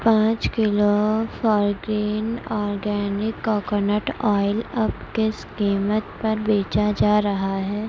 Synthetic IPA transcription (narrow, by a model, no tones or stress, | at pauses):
pãːt͡ʃkɪlofɔːɾɡɾiːnɔːɾɡɛːnɪkːɔːkɔnəʈɔːɪlɐbkeskiːmət̪pɐɾbeːt͡ʃad͡ʒaːɾɐɦaɦɛː